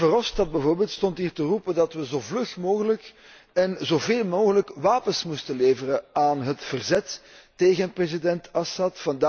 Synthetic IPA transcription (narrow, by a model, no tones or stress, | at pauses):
vərɔstɑd̚bəvoːrbeːlˠt̪stɔntɦiːrtərupədɑtʋəzoːvlɵxmoːɣələk | ɛnzoːveːlˠmoːɣələkʋaːpənsmustəleːvərəaːnɦətfərzɛtːeːɣənprezidɛntɑsɑtfɑnd